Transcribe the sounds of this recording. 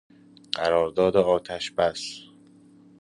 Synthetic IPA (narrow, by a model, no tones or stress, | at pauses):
ɢ̥æɾɒːɾd̪ɒːd̪eɒːt̪ʰæʃbæs